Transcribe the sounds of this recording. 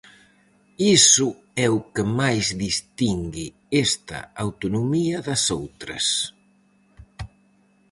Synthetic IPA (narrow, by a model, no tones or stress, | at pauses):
isʊ | ɛʊkemajzðist̪iŋɡi | est̪ɐ̰awt̪unumiɐðɐsowt̪ɾɐ̰s